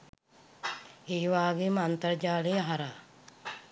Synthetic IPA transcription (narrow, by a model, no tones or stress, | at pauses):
eːʋaːɡemant̪əɾd͡ʒaːlejəɦaɾaː